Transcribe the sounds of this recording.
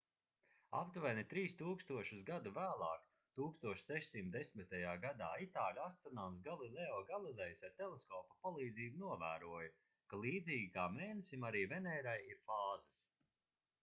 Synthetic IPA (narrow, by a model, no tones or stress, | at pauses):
a̰pt̪uvɛnit̪ɾiːst̪uːkst̪uɔʃusɡad̪uvæːlˠɑːk | t̪uːkst̪uɔʃsɛʃsimt̪d̪ɛsʲmit̪ajaːɡad̪aːit̪aːlʲast̪ɔnams̬ɡalˠilˠɛɔːɡalˠilˠɛjsaɾt̪ɛlˠeskɔːpapalˠiːd̪ziːbunuɔvæːɾuɔja | kalˠiːd̪ziːɡʲikaːmeːnesʲimaɾiːvɛnɛːɾajiɾfaːzɛs